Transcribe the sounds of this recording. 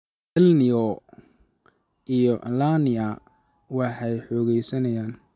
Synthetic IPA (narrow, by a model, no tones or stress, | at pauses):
ʔɛlnɪjɔ | ʔijɔlaːnɪɐ | wɑħɛjħɔːɣɛjsɐnɐjaːn